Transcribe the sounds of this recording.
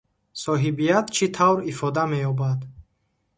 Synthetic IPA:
sɔɦibijat̪t͡ʃʰit̪ʰavɾifɔd̪amejɔbad̪

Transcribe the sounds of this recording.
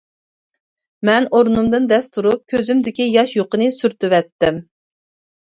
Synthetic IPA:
mɛnoɾnumd̪ɨnd̪ɛst̪ʰuɾup̚kʲʰøzymd̪ɪkʲijɑʃjoqənɨsyɾt̪yvɛt̪ːɪm

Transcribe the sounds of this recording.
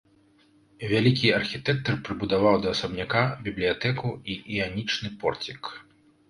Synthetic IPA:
vʲalʲikʲiɐrxʲit̪ɛk̚t̪ɐrpɾɨbud̪avawd̪ɐːsɐbnʲakabʲiblʲijat̪ɛkuiʔianʲit͡ʂnɨpɔrt͡sʲik

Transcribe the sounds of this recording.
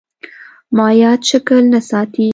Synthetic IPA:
mɑːjɑt̪ʃʊkəlnasɑːt̪i

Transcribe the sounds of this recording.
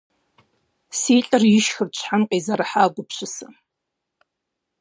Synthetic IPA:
siːɬʼɨrjɪʃxɨrt͡ɕʷʰħanqʼezaɾaħaːɡʷʊpʰɕʰʷɨsɨ

